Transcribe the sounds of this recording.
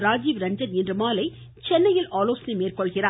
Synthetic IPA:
ɾaːd͡ʒiːʋɾɐɲd͡ʒɐɾɛndrɯmaːlɐɪ | t͡ʃɛnːɐjɪlaːloːsnimeːrkɔɭɣɪraː

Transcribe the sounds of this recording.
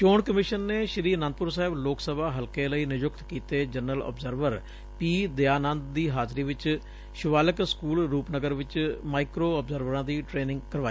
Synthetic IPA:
t͡ʃoːɳkəmɪʃənːeːʃəɾiːnə̃nd̪̚pʊɾsaːɦɪbloːksəbaːɦəlkeːləiːnɪd͡ʒʊkt̪kiːt̪eːd͡ʒənːəlɔ̰ːbzəɾʋəɾ | piːd̪eaːnə̃nd̪d̪iːɦaːd͡ʒɾiːʋɪt͡ʃ | ʃʊʋaːləkskuːlɾuːpnəɡəɾʋɪt͡ʃmaːɪkɾoːəbzəɾʋəɾãːd̪iːʈɾeːnɪ̃ŋɡkəɾʋaːiː

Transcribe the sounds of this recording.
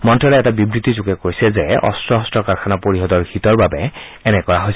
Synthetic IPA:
mɔntɹɔlɛɛtabibɹit̪izuɡɛkoɹjsɛzɛɔ̰stɹɔɦɔstɹɔkaɹkʰanapoɹiɦɔdɔɹɡitɔɹbabɛ | ɛnɛkɔɹaɦojs

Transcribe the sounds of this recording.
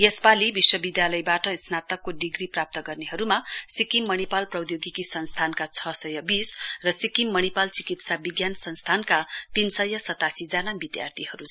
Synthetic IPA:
jespalibiswʌbid̪jalʌjbaʈʌsnat̪ʌkːoɖiɡriprap̚t̪ʌɡʌrneɦʌɾumasikimːʌnipalprʌwd̪joɡikisʌnst̪ʰankat͡sʰʌsʌjʌbisrʌsikimːʌnipalt͡sikit̪sabiɡjansʌnst̪ʰankat̪insʌjʌsʌt̪asid͡zanabid̪ja̰rt̪ʰiɦʌɾu

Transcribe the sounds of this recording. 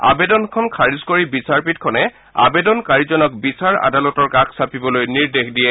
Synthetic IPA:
a̰bedɔnkʰɔnkʰaɹizkoɹibisaɹpitkʰɔnɛ | a̰bedɔnkaɹizɔnɔkbisaɹa̰dalɔtɔɹkakʰsapibɔlojniɹdexdijɛ

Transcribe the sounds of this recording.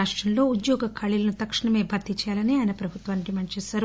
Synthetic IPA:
aːʂʈɾɐnlo̞ːud̪jɔːɡɐkʰɐɭilɐnut̪ɐkʂɐɳɐmeːbʱɐt̪ːit͡ʃjaːlɐniaːjnɐpɾɐbʱut̪ʋaːniʈimɐɳt͡ʃɛːsaːɾu

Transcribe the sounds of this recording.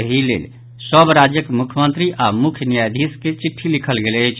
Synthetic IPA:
əɦilḛl | səbɾad͡ʒjəkmukʰjmənt̪ɾiʔamukʰjənijajd̪ʱisket͡ʃiʈʰːilikʰəlɡeleəjt͡ʃʰ

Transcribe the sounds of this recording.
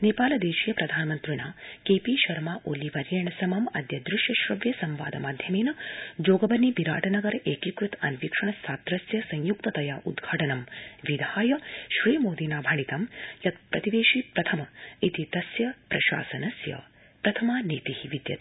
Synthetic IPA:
neːpaːlɐd̪eːʃijɐpɾɐd̪ʱaːnɐmɐnt̪ɾiɳaːkeːpiːʃɐɾmaːʔoːliʋɐɾjɐɳɐsɐmɐmɐ̰d̪jɐd̪ɾɪʃjɐʃɾɐʋjɐsɐmʋa̰ːd̪ɐmaːd̪ʱjɐmeːnɐd͡ʒoːɡɐbɐnːibiɾaːʈɐnɐɡɐɾɐʔeːkikɾut̪ɐ̰nʋikʂɐɳɐst̪ʰaːt̪ɾɐsjɐsɐ̃ɲjuk̚t̪ɐt̪ɐjaːʔṵd̪ɡʱaːʈɐnɐmʋid̪ʱaːjɐʃɾiːmoːd̪inaːbʱɐɳ̃it̪ɐmjɐt̪pɾɐt̪iʋeːʃipɾɐt̪ʰɐmɐit̪it̪ɐsjɐpɾɐʃa̰ːsɐnɐsjɐ̰ | pɾɐt̪ʰɐmaːneːt̪ihiʋid̪jɐ̰t̪

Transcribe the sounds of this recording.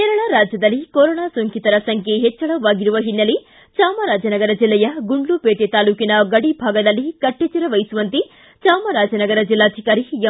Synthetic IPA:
k̪ɛɾɐɭɐɾaːd͡ʒjɐd̪ɐlːikoɾoːɳaːsoŋkit̪ɐɾɐsɐŋkʰeɦɛt͡ʃːɐɭɐʋaːɡiɾuʋɐɦinːɐli | t͡ʃaːmɐɾaːd͡ʒɐnɐɡɐɾɐd͡ʒilːɛjɐɡuɳɖɭupeːʈet̪aːluːkinɐɡɐɽibʱaːɡɐd̪ɐlːikɐʈːet͡ʃiɾɐʋɐjsuʋɐnt̪i | t͡ʃaːmɐɾaːd͡ʒɐnɐɡɐɾɐd͡ʒilːaːd͡ʒikaɾijɐ

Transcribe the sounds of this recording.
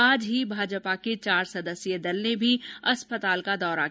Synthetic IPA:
aːd͡ʒɦibʱaːd͡ʒpaket͡ʃaːɾsɐd̪əsjəd̪ɐlnebʱiɐspət̪aːlkad̪ɔːɾa̰

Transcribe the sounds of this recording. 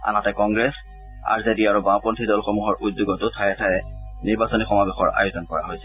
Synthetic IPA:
a̰natɛkɔŋɡɹɛs | a̰ɹzediaɹubãpɔntʰidɔlxomuɦɔɹʔutduɡɔtʊtʰajɛtʰaɛniɹbasɔnixɔmabexɔɹa̰jʊzɔnkɔɹa̰ɦojsɛ̥

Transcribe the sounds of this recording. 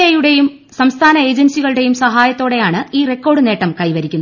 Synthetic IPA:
ejuɽe̞jum | sɐmst̪ʰaːnɐe̞ːd͡ʑensiɣɐɭuɽe̞jumsɐɦaːjɐt̪ːo̞ːɽe̞jaːɳɨiːrekːo̞ːɽɨne̞ːʈːɐmkɐjʋɐɾikʲːunː

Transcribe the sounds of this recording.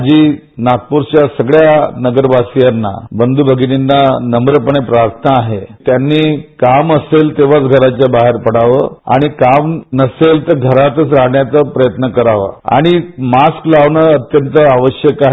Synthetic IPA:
d͡ʑiː | nak̚puɾt͡ɕjasəɡɭjanəɡəɾbʱasijanːa̰bənd̪ubʱəɡininːanəmbɾəpəɳepɾaɾt̪ʰnaːɦet̪janːiːkaməselt̪eʋ̤at͡sɡʱəɾat͡ɕjabaɦeɾpəɽaʋəa̰ɽ̃ikamnəselt̪əɾɡʱəɾat̪ət͡sɾaɦɳjat͡səpɾəjət̪nəkəɾaʋa̰a̰ɽ̃imasklaʋɳəət̪jənt̪əaʋəɕjəkaɦ

